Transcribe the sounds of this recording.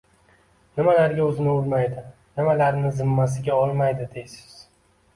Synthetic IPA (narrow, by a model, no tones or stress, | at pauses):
nɪmalaɾɡʲaɵzɪnɪʊlmajd̪ɪ | nɪmalaɾnɪzɪmːasɪɡʲaɒlˠmajd̪ɪd̪ejsɪ̥z̥